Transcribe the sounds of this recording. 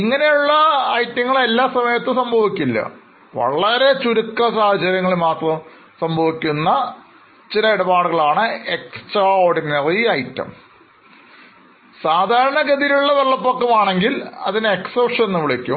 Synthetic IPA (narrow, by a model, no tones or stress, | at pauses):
iŋːɐne̞juɭːɐːjtːɐŋːɐɭe̞lːaːsɐmɐjɐt̪ːɨsɐmbʱɐʋikʲːulːɐ̰ | ʋɐ̰ɭɐɾe̞t͡ɕuɾukːɐsaːhɐt͡ɕːɐɾjɐŋːɐɭimaːt̪rɐm | sɐmbʱɐʋikʲːunːɐ | t͡ɕilɐiɽɐbaːɽɨɣɐɭaːɳɨe̞ksʈraoːɽinɐriɐjtːɐ̰m | saːd̪ʱaːɾɐɳɐɡɐðijuɭːɐʋeɭːɐpːokːɐmaːɳe̞ŋɡilɐ̰ðineksopʂɐnenːɨʋiɭikʲːum